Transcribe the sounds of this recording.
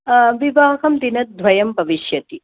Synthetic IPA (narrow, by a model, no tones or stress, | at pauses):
ʋibaːɦɐmd̪inɐt̪̚d̪ʱʋɐjɐmbʱɐʋiʃjɐt̪i